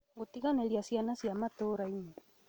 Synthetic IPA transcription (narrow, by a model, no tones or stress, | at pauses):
ŋɡot̪iɣaneliasianasiamat̪oɾaiɲa